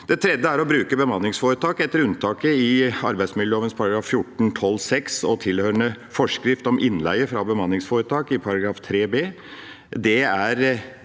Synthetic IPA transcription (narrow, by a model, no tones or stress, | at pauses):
d̪̥ɛt̪ʰɾɛd̪ːəæɾɔbɾʉːkəbəmɑnːɪŋsfoːɾət̪ʰɑːkɛt̪ːəɾʉnt̪ʰɑːkəɪɑɾbæɪsmɪljəoːʋənspʰɑɾɑɡɾɑːfːjʊʈːɳ̩t̪ʰɔlːsɛksɔt̪ʰɪlhøɾəɳə | fɔʂkɾɪft̪ɔmʔɪnːlæ̰ɪəfɾɑbəmɑnːɪŋsfoːɾət̪ʰɑːkɪpʰɑɾɑɡɾɑːft̪ʰɾeːbeː | d̪ɛæɾ